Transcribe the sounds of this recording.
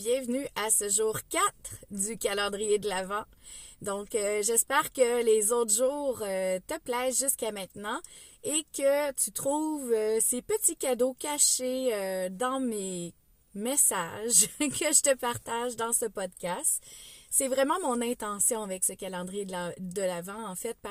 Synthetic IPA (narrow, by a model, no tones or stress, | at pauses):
bjɛ̃vnyʔasəʒuːʁkʲat̪χd̪ykʲalɑ̃d̪ʁijed̪əlavɑ̃d̪ɔ̃køʒɛspɛːʁkəlezot̪χʒuːʁøt̪əplɛːzʒyskamɛ̃t̪nɑ̃ | ekət̪yt̪χuːvøsepət̪ikʲad̪okʲaʃeød̪ɑ̃me | mɛsaʒkʰəʒət̪əpaʁt̪aʒd̪ɑ̃səpɔd̪kʲast̪sɛvʁɛmɑ̃mɔ̃nɛ̃t̪ɑ̃sjɔ̃avɛksəkʲalɑ̃d̪ʁijed̪lad̪əlavɑ̃ɑ̃fɛt̪̚pa